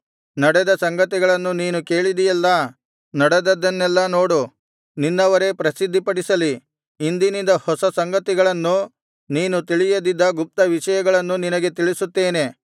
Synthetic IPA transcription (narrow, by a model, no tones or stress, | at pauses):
nɐɽɛd̪ɐsɐŋɡɐt̪iɡɐɭɐnːuniːnuke̞ːɭid̪ijɛlːɐ | nɐɽɛd̪ɐd̪ɐnːɛlːɐnoːɽu | ninːɐʋɐɾe̞pɾɐsid̪ʱːipɐɽisɐliː | nd̪inind̪ɐhɔsɐsɐŋɡɐt̪iɡɐɭɐnːu | niːnut̪iɭijɐd̪id̪ːɐɡup̚t̪ɐʋiʃɐjɐɡɐɭɐnːuninɐɡe̞t̪iɭisut̪ːeːne̞